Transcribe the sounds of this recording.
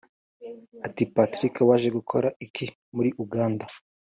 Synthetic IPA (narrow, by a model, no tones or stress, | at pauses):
atipatɾikawaːʒe̞ɡukʰo̞ɾaikʰi | muɾiʔuɡaːnda